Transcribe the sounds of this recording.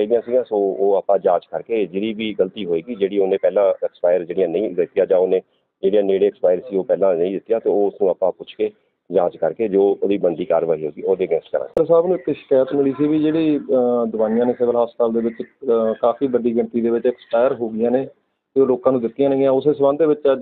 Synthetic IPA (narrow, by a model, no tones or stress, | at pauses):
əid̪ɪjãːsɪɡãːsoːoːaːpãːd͡ʒãːt͡ʃkəɾkeːd͡ʒɪd̪iːʋiːɡəlt̪iːɦoːeːɡiːd͡ʒeːɽiːoːnẽːpɛːlãːɛkspaːɪəɾd͡ʒeːɽɪjãːnəĩːd̪ɪt̪ɪjãːd͡ʒãːonẽː | d͡ʒeːɽijãːneːɽeːɛkspaːɪəɾsiːoːpɛːlãːnəĩːd̪ɪt̪ːjaːt̪eːoːʊsnũːaːpãːpʊt͡ʃʰkeː | d͡ʒãːt͡ʃkəɾkeːd͡ʒoːd̪iːbənd̪iːkaɾʋaːɦiːɦo̰ːɡiːoːd̪eːəɡɛ̃ːsʈkəɾa̰ːɾsaːbnũːɪkʃɪ̥kaːjət̪mɪliːsiːʋiːd͡ʒeːɽiːd̪ʊʋaːnɪjãːneːsɪʋəlɦaːst̪aːld̪eːʋɪt͡ʃkaːfiːbəɖiːɡɪɳt̪iːd̪eːʋɪt͡ʃɪkspaːɪəɾɦoːɡiːãːneː | t̪eːoːloːkãːnũːd̪ɪt̪ːɪjãːnəĩãːʊseːsəʋãːnd̪eːʋɪt͡ʃəd͡ʒ